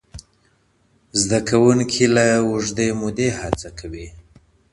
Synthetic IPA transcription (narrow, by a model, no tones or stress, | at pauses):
zd̪akʰawuŋkʰilawuʐd̪emʊd̪ehat͡sakʰawi